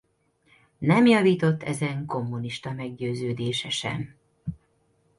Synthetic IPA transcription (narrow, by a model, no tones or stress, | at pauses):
nɛmjɒviːt̪o̞t̪ːɛzɛŋko̞mːuniʃt̪ɒmɛɡ̚ɟøːzøːd̪eːʃɛʃɛ̰m